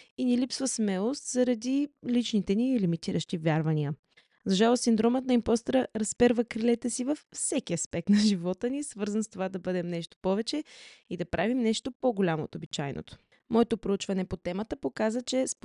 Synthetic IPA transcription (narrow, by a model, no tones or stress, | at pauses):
inilipsvəsmɛlˠost̪zɐɾɐd̪ilit͡ʃnit̪ɛniɛlimit̪iɾəʃt̪ivʲjaɾvɐniə | zɐʒalˠossind̪ɾɔmət̪nɐimpɔst̪ɾəɾɐspɛɾvəkɾilɛt̪ɛsivɐfːsɛkiɐspɛk̚t̪nɐʒivɔt̪ənisvɤɾzənst̪ovad̪ɐbɤd̪ɛmnɛʃt̪o̥pɔvɛt͡ʃɛid̪ɐpɾʔavimnɛʃt̪opoɡolʲamoo̰t̪obit͡ʃajno̰t̪o̥ | mɔɛt̪opɾout͡ʃvɐnɛpot̪ɛmət̪əpokazət͡ʃɛsp